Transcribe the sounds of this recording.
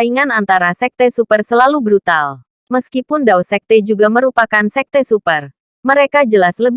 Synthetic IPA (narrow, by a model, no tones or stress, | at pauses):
aiŋanant̪aɾasɛk̚t̪ɛsupərsəlalubɾut̪al | məskipʊndawsɛk̚t̪ɛd͡ʒuɡaməɾupakansɛk̚t̪ɛsupər | məɾekad͡ʒəlasləb